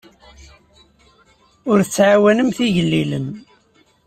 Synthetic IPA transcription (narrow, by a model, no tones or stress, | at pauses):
ʊɾθt͡sːʕawænəmθiʝəlːiləm